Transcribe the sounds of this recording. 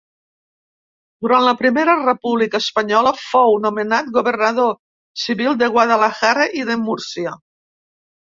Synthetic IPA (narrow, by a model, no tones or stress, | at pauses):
d̪uɾanləpɾimeɾərepuβlikəːspɐɲɔləfownumenat̪̚ɡuβernaðo | siβilˠd̪eɣwað̞alaxaɾaʔiðemuɾsiə